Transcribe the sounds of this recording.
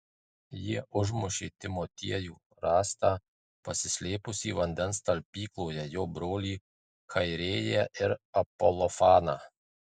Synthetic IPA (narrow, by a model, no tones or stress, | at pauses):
jiɛʔʊʒmʊʃʲeːt̪ʲɪmɔt̪ʲiɛjuː | ɾɑːst̪ɑː | pɐsʲɪsʲlʲeːpʊsʲiːʋɐnʲd̪ʲɛnst̪ɐlʲpʲiːklˠoːjɛjoːbɾoːlʲiː | kʰɐɪɾʲeːjɛʔɪɾɐpɔlˠɔfɑːnɑː